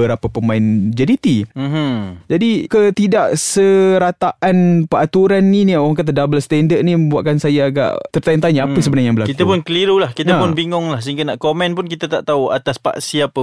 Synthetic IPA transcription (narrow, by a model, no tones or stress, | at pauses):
əɾapapəmãɪnd͡ʒadit̪im̩ɦd͡ʒadikət̪idaʔsəɾat̪aʔanpəat̪uɾanːĩnioɣaŋkat̪̬adabəlst̪ɛndər̚nĩmə̃mbuwaʔ̪̚kansajaːɡa̰ʔt̪ərt̪aɪnt̪aɲaapəs̬əbənajaŋbəlakit̪apʊnkəliɾulahkit̪apʊnbiŋʊŋlahsəɦiŋɡanaʔkomɛ̃npʊnkit̪at̪aʔt̪aua̰t̪aspa̰ʔsiapə